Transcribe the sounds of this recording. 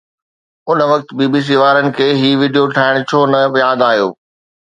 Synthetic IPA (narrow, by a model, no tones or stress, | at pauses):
ʊnəʋɐkt̪biːbiːs̬iːʋaːɾənɪ̆kʰeːɦiːʋiːɖijoʈʰaːɪɽ̃̆t͡ɕʰoːnɐjaːd̪aːɦijo̰ː